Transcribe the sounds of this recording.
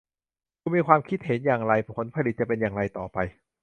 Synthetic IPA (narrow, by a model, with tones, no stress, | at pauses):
kʰuː˧miː˧kʰwaː˧mkʰi˦˥˩t̪̚he˩˦njaː˨˩ŋɾa˧jʰo˩˦npʰa˧li˨˩t̪̚t͡ɕa˨˩pe˧njaː˨˩ŋɾa˧jt̪ɔː˨˩pa˧j